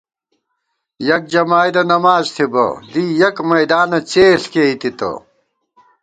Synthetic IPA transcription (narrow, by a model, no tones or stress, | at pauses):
jɐk̚d͡ʑɐmaːjd̪ɐnɐmaːzt̪ʰibɐ̰d̪ijɐkmɐjd̪aːnɐt͡ɕeːɬkeit̪it̪ɐ̰